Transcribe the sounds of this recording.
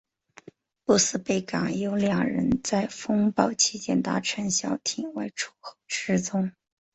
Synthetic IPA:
pu˥˧sɹ̩˥˩pe˥˩ɪka̰˨˩ŋjo˧˥ʊljaɑ˥˩ɻə̰˧˥nt͡sa˥˩ɪfɤ˥ŋpɑ˥˩ʊt͡ɕʰi˥t͡ɕjɛ˥˩nt̪a̰˧˥ʈ͡ʂʰə˧˥nɕjɑ˨˩ʊt̪ʰi˨˩ŋwa˥˩ɪʈ͡ʂʰu˥˩xo˥˩ʈ͡ʂɻ̩˥t͡sʊ˥ŋ

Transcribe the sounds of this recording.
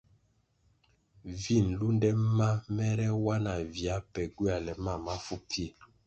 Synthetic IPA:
vi˦˨nlu˦ndɛ˦ma˦mɛ˦ɾɛ˦wa˦na˨vja˦pɛ˨ɡi˦a˨lɛ˨ma˦˨ma˦fu˦pʰi˦e˨

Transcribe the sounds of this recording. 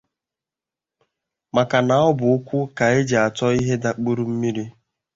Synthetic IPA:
ma˨ka˨na˨˦ɔ˦bʊ˨ʊ˦kʷʊ˦ka˨e˦d͡ʒa˨a˨tɔ˦i˦ɦe˦da˨k͡po˦ɾu˦m̩˦mi˦ɾi˦

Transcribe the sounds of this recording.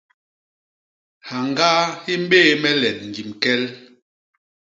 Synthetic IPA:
ha˨ŋɡaː˦hi˦m˦ɓeː˦˨mɛ˦lɛ˨t̚ŋ̩˨ɡi˨mkɛ˦l

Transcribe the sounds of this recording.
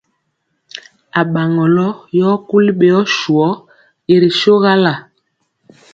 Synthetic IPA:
a˨ɓa˨ŋɔ˨lɔ˦jɔ˦ku˦li˦ɓe˨jɔ˦ʃu˨ɔ˦ | e˨ɾi˨ʃo˦ɣa˦la˨

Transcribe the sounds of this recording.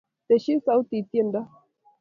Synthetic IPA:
t̪e˨ʃi˦sa˨u˦t̪i˨t̪je˦˨nda˦

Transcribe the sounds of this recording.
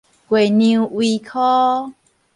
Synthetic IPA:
kwe˨˩˨nĩ˧wi˧kʰɔ˦

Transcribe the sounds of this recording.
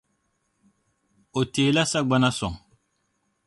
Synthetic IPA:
o˨teː˨la˦sa˦ɡ͡ba˦na˦sɔ̰˨ŋ

